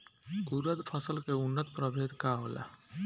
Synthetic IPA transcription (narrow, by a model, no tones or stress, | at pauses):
uɾəd̪pʰəsəlkeʊnːət̪pɾəbʱeːd̪kaɦoːla̰ː